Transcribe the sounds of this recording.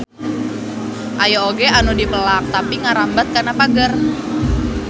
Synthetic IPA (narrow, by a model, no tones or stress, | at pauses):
ʔajaoɡeanudipəlak̚t̪apiŋaɾambat̪̚kanapaɡər